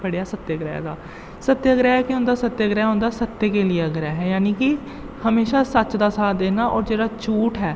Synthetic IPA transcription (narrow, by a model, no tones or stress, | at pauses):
pəɽejaːsət̪ːeɡɾɛ̰ːd̪a̰ː | sət̪ːeəɡɾaːɦɛːkɪʊ̃nd̪aːsət̪ːəəɡɾaːɦõnd̪aːsət̪ːeːkeːlɪeəɡɾaːɦɛːjaːniːkɪ | həmeːʃaːsət͡ʃd̪aːsaːd̪eːnaːʔɔːɾd͡ʒeːɽaːt͡ʃuːʈɦɛː